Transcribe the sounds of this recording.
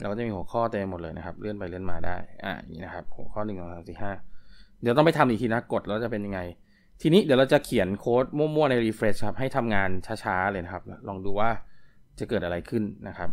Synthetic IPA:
lɛ˧˦˧kːɔː˥˩a˨˩miː˧hu˩˦ə˦kʰɔː˥˩t̪eː˧mo˨˩t̪̚lɤː˧jnʔa˦˥kʰa˦p̚lɯ˥˩ənpa˧jlɯ˥˩ənmaː˧da̰ː˥˩jʔa̰ː˧˩a˧˩ŋḭː˧˥na˦kʰa˦˥p̚hu˩˦kʰɔː˥˩nɯ˨˩ŋsŋsaː˨˦msi˨˩p̚haː˥˩d̥i˨˦t̪ɔ˥˩pa˨jt̪ʰa˧mʔi˨˧˩t̪ʰiː˧na˦a˥˩ko˨˩t̪̚lɛ˦˥ɾt͡ɕa˨˩pe˧nja˧ŋa˧j | t̪ʰiː˧niː˦˥di˨˦wɾa˧wt͡ɕa˨˩ʔkʰi˨˩˦ənkʰoː˦˥t̪̚mu˥˩ɐmu˥˩əna˧jɾiː˧fɾe˦˥t͡ɕkʰa˦p̚ɦa˥˩jt̪ʰa˧mŋaː˧nt͡ɕʰaː˦˥t͡ɕʰaː˦˥lɤː˧jna˦˥kʰa˦˥p̚lɔː˧ŋduː˧waː˥˩ | t͡ɕa˨˩kɤː˨˩t̪ʔa˧ɾa˧jkʰɯ˥˩nːa˦˥kʰa˦˥p̚

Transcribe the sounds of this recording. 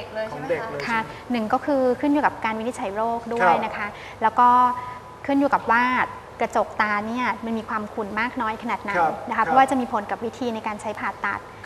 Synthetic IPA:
kʰa˥˩nɯ˨˩ŋkɔː˥˩kʰɯː˧kʰɯ˥˩njuː˨˩ka˨˩p̚kaː˧nwi˦˥ni˦˥t̪̚ʰa˩˦jɾoː˥˩k̚du˥˩əjna˦˥kʰa˦˥ | lɛː˦˥wkɔː˥˩ | kʰɯ˥˩njuː˨˩ka˨˩p̚waː˥˩t̪̚ | kɾa˧t͡ɕo˨˩k̚t̪aː˧ni˥˩ɐma˧nmiː˧kʰwaː˧mkʰu˧nmaː˥˩k̚nɔː˦˥jkʰa˧naː˨˩t̪̚na˨˧˦nna˦˥kʰa˦pʰɔ˥waː˥˩t͡ɕa˨˩miː˧pʰo˨˩˦nka˨˩p̚wi˦˥t̪ʰiː˧na˧jkaː˧nt͡ɕʰa˦˥jpʰaː˨˩t̪ːa̰˨˩t̪̚

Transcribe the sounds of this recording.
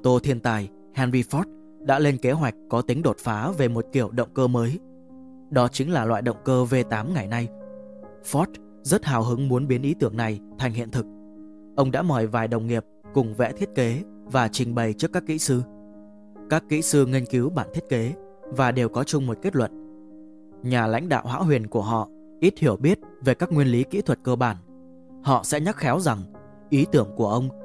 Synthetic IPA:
t̪o˧t̪ʰi˧ənt̪aː˨˩j | hɛ˧nzi˧fɔ˦˥t̚ | ɗa̰ː˧˥le˧nke˨˦ɦwa˨˩jk̟̚kɔ˨˦t̪ï˨˦ŋ̟ɗo˨˩t̚faː˨˦ve˨˩mo˨˩t̚ki˧˩əwɗə̰˧˨wŋ͡mkəː˧məː˨˦j | ɗɔ˨˦t͡ɕï˨˦ŋlaː˨˩lwa̰ː˧˨jɗə̰˧˨wŋ͡mkəː˧ve˧t̪aː˨˦mŋa˨˩jna˧j | fɔ˦˥t̚ | zə˦˥t̚haː˨˩wɦɨ˨˦ŋmu˨˦ənɓi˨˦ənʔi˨˦t̪ɨ˧˩əŋna˨˩jt̪ʰa˨˩jŋ̟hḭ˧˨ənt̪ʰɨ˨˩k̚ | ʔə˧wŋ͡mɗa̰ː˧˥mɔ˧˩jvaː˨˩jɗə˨˩wŋ͡mŋi˨˩əp̚ | kʊ˨˩ŋ͡mvɛ̰˧˥t̪ʰi˦˥t̚ke˨˦ | vaː˨˩t͡ɕï˨˩ŋ̟ɓə˨˩jt͡ɕɨ˦˥əkːaː˦˥kːḭ˧˥sɨ˧ | kaː˦˥kːḭ˧˥sɨ˧ŋi˧ŋ̟ki˨˦wɓaː˧˩nt̪ʰi˦˥t̚ke˨˦ | vaː˨˩ɗe˨˩wkɔ˨˦t͡ɕʊ˧ŋ͡mmo˨˩t̚ke˦˥t̚lwə̰˧˨n | ɲaː˨˩la̰˧˥jŋ̟ɗa̰ː˧˨whwa̰ː˧˥wɦwi˨˩ənku˧˩əɦɔ̰˧˨ | ʔi˦˥t̚hi˧˩əwɓi˦˥ət̚ve˨˩kaː˦˥k̚ŋwi˧ənli˨˦kḭ˧˥t̪ʰwə˨˩t̚kəː˧ɓaː˧˩n | hɔ̰˧˨sɛ̰˧˥ɲa˦˥t̚xɛ˨˦wza˨˩ŋ | ʔi˨˦t̪ɨ˧˩əŋku˧˩əʔə˧wŋ͡m

